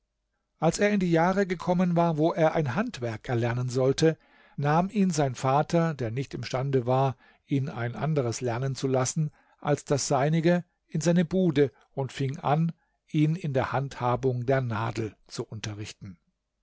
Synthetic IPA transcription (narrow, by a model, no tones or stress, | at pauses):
ʔalseːɐɪndiːjaːʁəɡəkʰɔmənvaːɐvoːʔeːɐʔaɪnɦantv̥ɛɐkɛɐlɛɐnənzɔltə | naːmʔiːnzaɪnfaːtʰɐdeːɐnɪçtɪmʃtandəvaːɐ | ʔiːna̰ɪnʔa̰ndəʁ̞əslɛɐnənt͡sulasn̩ | ʔalsd̥asz̥aɪnɪɡə | ʔɪnzaɪnəbuːdə | ʊntfɪŋʔa̰n | ʔiːnɪndeːɐhanthaːbʊŋdeːɐnaːdl̩t͡suʔʊntɐʁɪçtn̩